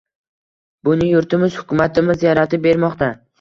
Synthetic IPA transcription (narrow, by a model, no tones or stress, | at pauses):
bʊnɪjʊɾt̪ɪmɪz̥hʊkʲʊmat̪ɪmɪzjaɾat̪ɪp̚be̞ɾmɒqt̪a